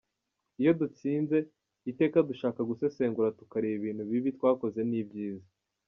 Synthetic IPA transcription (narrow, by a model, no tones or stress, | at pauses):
ijo̞dut͡siːnze̞ | ite̞ːkaduʃaːkaɡuse̞se̞ːŋɡuɾatukaɾiiβiːn̥huβiβitwaːko̞ze̞niːbɟiːza